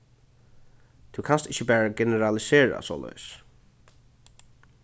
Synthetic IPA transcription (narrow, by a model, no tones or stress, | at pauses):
t̪ʰukʰanst̪ɪt͡ʃːəbɛːɹaɡɛnɛɹalɪseːɹa̰so̰ːlɔ̰js